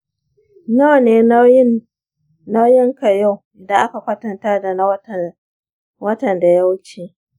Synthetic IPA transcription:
na˦wneː˨˦ | na˦wjɪ˦ŋka˨ja˦˨wda˨ʔa˦ka˨kʷɐ˦tɐ˨ntaː˦da˨na˦˨ | wɐ˦tɐ˨nda˨ja˦wt͡ʃeː˨

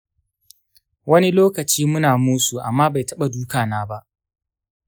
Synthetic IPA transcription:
wɐ˦ni˦loː˦kɐ˨t͡ʃiː˦mʊ˦naː˨muː˦su˨ʔa̰˨mːaː˦ba˨jtɐ˦ɓa˨duː˦kaː˨naː˦ba˦ʔ

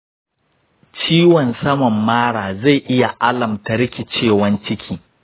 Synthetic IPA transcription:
t͡ʃiː˦wɔ˨nsɐ˦mɐ˨mːaː˦ɽaː˨za˦˨jʔɪ˦ja˨ʔa˦lɐ˨mtɐ˦ɽɪ˦kʲi˨t͡ʃeː˦˨wɐ˦nt͡ʃɪ˦kʲʰiː˨

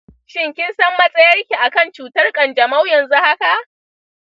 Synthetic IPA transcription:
ʃɪ˦˨ŋkʲɪ˦nsɐ˦mːɐ˦sʼɐ˦jɐ˦rkʲi˨ʔa˨kɐ˦˨nt͡ʃuː˨tɐ˦rkʼɐ˨nd͡ʒɐ˨ma˦wjɐ˨nzu˦ha˦ka˨ʔ

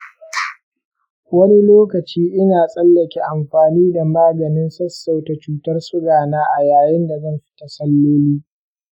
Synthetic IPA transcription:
wɐ˦ni˦loː˦kɐ˨t͡ʃiː˦ʔɪ˦naː˨sʼɐ˦lːɐ˨kʲe˦ʔa˨mɸaː˨niː˦da˨maː˦ɡɐ˨nɪ˦nsɐ˦sːa˦˨wta˨t͡ʃuː˦tɐ˦rsʊ˦ɡaː˨naː˦ʔa˨jaː˨jɪ˦nda˨zɐ˦˨mɸɪ̥˦ta˨sɐ˦lːoː˦liː˦

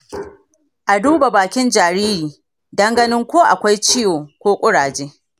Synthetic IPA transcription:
ʔa˨duː˦ba˨baː˨kʲɪ˦nd͡ʒaː˨ɾiː˦ɾiː˨ | dɐ˦ŋɡɐ˦nɪ˦ŋkʷoː˦ʔa˨kʷa˦jt͡ʃɪ˦joː˨kʷoː˦kʷʼʊ˦ɽaː˨d͡ʒeː˦

